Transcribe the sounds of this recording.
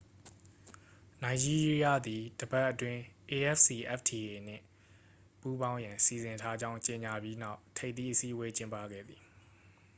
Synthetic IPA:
na˨ɪ̃d͡ʑi˦ɹɹi˦a˦˨d̪i˨d̥əba˦ʔːətwɪ̃˦ʔe˨ʔɛ˦fsi˨ʔɛ˦ftʰi˨e˨n̥ɪ̰̃˦˨ | pu˦bã˦ʊ̃jã˨si˨zɪ̃˨ntʰa˦d͡ʑã˦ʊ̃ɲt͡ɕe˨ɲa˨bji˦na˦ʊtʰe˦ɪʔt̪ḭ˦˨ʔəsi˦ʔəwe˦t͡ɕɪ̃˦mpa̰˦˨ɡɛ̰˦˨d̪ði˨

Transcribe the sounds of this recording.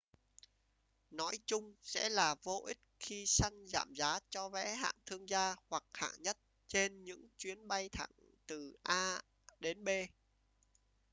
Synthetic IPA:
nɔ˨˦jt͡ɕʊ˧ŋ͡msɛ̰˧˥laː˨˩vo˧ʔï˦˥t̚xi˧sa˧ŋza̰ː˧˨mzaː˨˦t͡ɕɔ˧vɛ̰˧˥ɦa̰ː˧˨ŋt̪ʰɨ˧əŋzaː˧hwa˨˩k̚ha̰ː˧˨ŋɲə˦˥t̚ | t͡ɕe˧nɲɨ̰˧˥ŋt͡ɕwi˨˦ənɓa˧jt̪ʰa̰˧˩ŋ | t̪ɨ˨˩ʔaː˧ | ɗe˨˦nɓe˧

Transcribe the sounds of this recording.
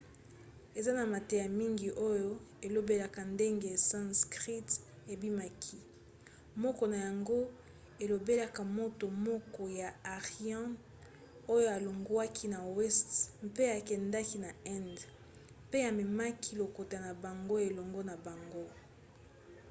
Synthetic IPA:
e˨za˦na˨ma˨te˨ja˨mi˦ŋɡi˨ʔo˦jo˦e˨lo˦be˦la˨ka˨nde˦ŋɡe˨sã˦skʁi˦t | e˨bi˦ma˦kʰi˦ | mɔ˦kɔ˨na˨ja˨ŋɡo˦ | e˨lo˨be˦la˦ka˨mo˦to˨mɔ˦kɔ˨ja˨a˨ʁjɑ̃˦ | o˦jo˦a˨lo˨ŋɡwa˦kʰi˦na˨wɛ˦stmpe˦a˨kɛ˨nda˦ki˦na˨ɛ˦nd | pe˦a˨me˨ma˦kʰi˦lo˨ko˨ta˨na˨ba˨ŋɡo˦e˨lɔ˨ŋɡo˦na˨ba˨ŋɡo˦

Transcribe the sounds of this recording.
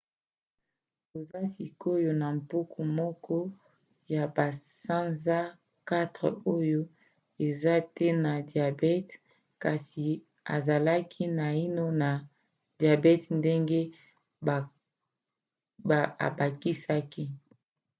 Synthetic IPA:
to˨za˦si˨ko˦jo˨na˨mpu˦kʰu˨mɔ˦kʰɔ˦ | ja˨ba˨sa˦nza˦ | ka˦tʁḛ˨o˦jo˦ | e˨za˦tɛ˦na˨dja˨bɛ˦t | ka˨si˨ | a̰˨za˨la˦kʰi˦na˨i˦no˦na˨ | dja˨bɛ˦tnde˦ŋɡe˦˨ | a̰˨ba˨ki˦sa˦ki˦

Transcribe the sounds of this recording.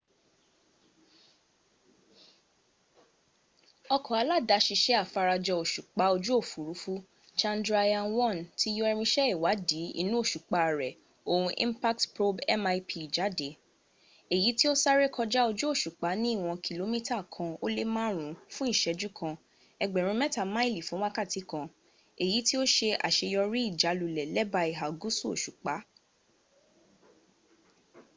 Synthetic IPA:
ɔ˧kɔ˨a˨˧la˦da˨˦ʃi˧ʃɛ˦a˦˨fa˧ɾa˧d͡ʒɔ˧o˨ʃu˨k͡pa˨˦o˧d͡ʒu˦o˦˨fu˨ɾu˨˦fu˦ | t͡ʃã˧ndɾa˧ja˧nwɔ̃˦˨nti˦jo˦ɛ˧ɾ̃ĩ˧ʃɛ˦i˦˨wa˨˦di˨˦ḭ˧nũ˦o˦˨ʃu˨k͡pa˧˨ɾɛ˨ | o˧hũ˧ʔḭ̃˦mpa˦ktpɾo˦bɛ̰˦ma˧i˧pʰi˧i˨d͡ʒa˨˦de˨˦ | e˨ji˨˦ti˦o˦sa˦ɾe˦kʰɔ˧d͡ʒa˦o˧d͡ʒu˦o˦˨ʃu˨k͡pa˨˦nĩ˦˨w̃ɔ̃˧ki˧lo˧˦mĩ˦ta˦˨kʰã˧o˦le˦mãː˦ɾ̃ũ˨˦fũ˦i˦˨ʃɛ˧d͡ʒu˦kʰã˧ | ɛ˧ɡ͡bɛ˨ɾ̃ũ˧mɛ˦ta˧˨mã˦i˦˨li˨fũ˦wã˦ka˦˨ti˨˦kã˧ | e˨ji˨˦ti˦o˦ʃe˧ʔa̰˨ʃe˧jɔ˧ɾi˦i˦˨d͡ʒa˨˦lu˨lɛ˨lɛ˦ba˧i˨ɦa˨ɡu˦su˦o̰˨ʃu˨k͡pa˨˦

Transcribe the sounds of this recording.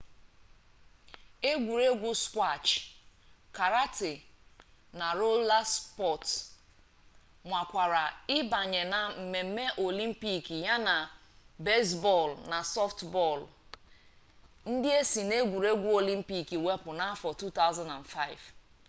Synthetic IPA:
e˦ɡʷu˨ɾe˦ɡʷu˦skʷa˦˨t͡ʃ | ka˨ɾa˦tɪ˨ | na˨ɾo˦la˦spɔ˦˨t | mʷa˨kʷa˨ɾa˨ɪ˦ba˨ɲe˨na˨m̩˨me˨m̩˦me˦ʔo˨li˦m̩˦pi˨ki˨ja˦na˨be˦sbɔ˦˨lna˨sɔ˦ftbɔ˦˨l | n̩˦dɪ˦e˦si˨ne˦ɡʷu˨ɾe˦ɡʷu˦o˨li˦m̩˦pi˨ki˨we˦pʊ˨na˦fɔ˨tu˦ta˦ʊ˦za˦nda˨nfa˦ɪ˨v

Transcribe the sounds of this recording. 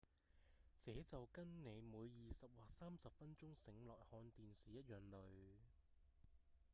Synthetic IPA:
t͡sɛː˨˥t͡sɐ˨wkɐ˥nne˨˧jmuː˨˧jːiː˨sɐ˨p̚waː˨saː˥msɐ˨p̚fɐ˥nt͡sʊ˥ŋsɪ˨˥ŋlɔː˨˩jhɔː˧nt̪iː˨nsiː˨˩jɐ˥t̚jœː˨˩ŋlɵ˨˧ɥ

